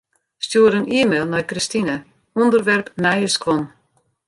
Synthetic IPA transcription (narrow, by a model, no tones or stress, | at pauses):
stjuəɾəniəmelˠnɔjkristinə | ɔndərʋɛrpnɛjəskʋɔn